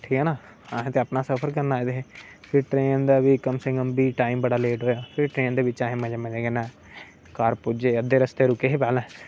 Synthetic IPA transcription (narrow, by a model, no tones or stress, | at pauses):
ʈʰiːkɦɛːnaː | aːɦẽːt̪eəpnaːsəpʰəɾkəɾnaːed̪eɦeːpʰɪɾʈɾeːnd̪aːʋiːkəmseːkəmbiːʈaːimbəɽaːleːʈɦoːjaːpʰɪɾʈɾeːnd̪eːbɪt͡ʃaːɦẽːmɛ̃d͡ʒeːmɛ̃d͡ʒeɡɛnã | kaːɾpʊd͡ʒeːəd̪ːeːɾəst̪eːɾʊkeːɦeːpɛːlɛ̃ː